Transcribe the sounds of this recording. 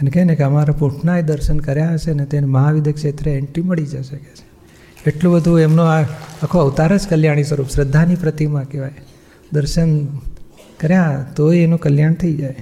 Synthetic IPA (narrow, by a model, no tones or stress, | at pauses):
ənekɛnekeəmaɾapũʈʰnaed̪əɾʃənkəɾjaɦəʃenet̪eneməɦaʋid̪ʱəkʃet̪ɾeeɳʈiməɭid͡ʒajʃəke̥t͡ʃʰe̥ | eʈlũbəd̪ʱũemnõaakʰoəʋt̪aɾət͡ʃkəljaɽ̃isəɾupʃɾəd̪ʱːanipɾət̪imãkeʋaj | d̪əɾʃən | kəɾjat̪oeenũkəljaɳt̪ʰəid͡ʒaj